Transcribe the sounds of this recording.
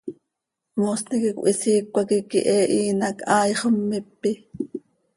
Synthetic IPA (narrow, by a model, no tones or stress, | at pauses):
mosnikikʷʔisiːkʷːɑkikḭʔɛʔiːnɑkʰɑːjχəmːipːi